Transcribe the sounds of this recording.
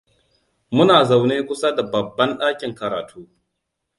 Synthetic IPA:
mʊ˦naː˨za˨wneː˦kʷʊ˦sa˦da˨bɐ˨bːɐ˦nɗaː˦kʲɪ˨ŋkɐ˨ɾaː˨tʰuː˦

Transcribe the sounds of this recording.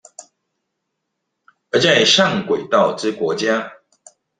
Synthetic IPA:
ə˧˥t͡sa˥˨ɪʂa˥˨ŋkwe˨˩ɪt̪ɑ˥˨ʊʈ͡ʂɻ̩˦kwɔ˧˥t͡ɕja˦˥

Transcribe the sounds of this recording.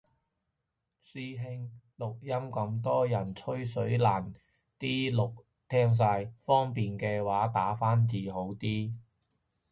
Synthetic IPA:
siː˥ɦɪ˧ŋ | lʊ˨k̚jɐ˥mkɐ˧mt̪ɔː˥jɐ˨˩nt͡ʃʰɵ˥ɥsɵ˨˥ɥlaː˨˩n | t̪iː˥lʊ˨k̚ | t̪ʰɛː˥ŋs̬aː˧jfɔː˥ŋpiː˨nkɛː˧waː˨˥t̪aː˨˥faː˥nt͡siː˨˧ɦo˨˥wt̪iː˥

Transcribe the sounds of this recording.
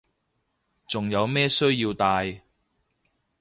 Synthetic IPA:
t͡sʊ˨˩ŋjɐ˨˧wmɛː˥sɵ˥ɥjiː˧wt̪aː˧j

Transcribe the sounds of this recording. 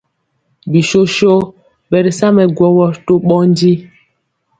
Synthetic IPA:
bi˨ʃo˦ʃo˦ | bɛ˨ɾi˨sa˦mɛ˨ɡwɔ˦wɔ˦to˦ɓɔ˦n˦di˦

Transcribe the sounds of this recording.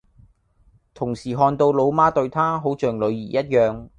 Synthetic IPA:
t̪ʰʊ˨˩ŋsiː˨˩ɦɔː˧nt̪o˧wlo˨˧wmaː˥t̪ɵ˧ɥt̪ʰaː˥ɦo˨˥wt͡ʃœː˨˩ŋlɵ˨˧ɥjiː˨˩jɐ˥t̚jœː˨˧ŋ

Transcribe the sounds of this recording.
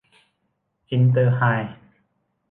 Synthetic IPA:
ki˧nt̪̬ɤː˧haː˧˩j

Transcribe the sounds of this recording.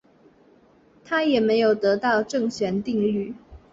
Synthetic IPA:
t̪ʰa˥jɛ˨˩me˧˥ɪjo˨˩ʊt̪ɤ˧˥t̪ɑ˥˧ʊʈ͡ʂɤ˥˩ŋɕɥɛ˧˥nt̪i˥˧ŋly˥˩

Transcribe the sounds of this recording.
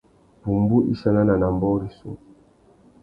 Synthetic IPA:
bu˨mbu˦ʔḭ˦sa˦na˦na˨na˨mbɔ˦ɾi˦sṵ˦

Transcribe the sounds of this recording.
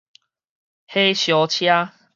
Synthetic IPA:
he˦ɕjɔ˨˧t͡ɕʰja˦

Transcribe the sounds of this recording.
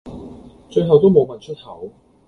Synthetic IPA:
t͡ʃɵ˧ɥɦɐ˨wt̪o˥wmo˨˧wmɐ˨˩nt͡ʃʰɵ˥t̚hɐ˨˥w

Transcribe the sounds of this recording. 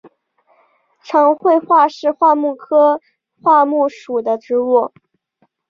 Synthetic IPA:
ʈ͡ʂʰɤ˧˥ŋxwe˥˧ɪxwa˥˧ʂɻ̩˥˧xwa˥˧mu˥˩kʰɤ˥ | xwa˥˧mu˥˩ʂu˨˩d̪ə˦ʈ͡ʂɻ̩˧˥u˥˩

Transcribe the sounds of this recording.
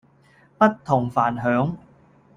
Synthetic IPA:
pɐ˥t̚t̪ʰʊ˨˩ŋfaː˨˩nɦœː˨˥ŋ

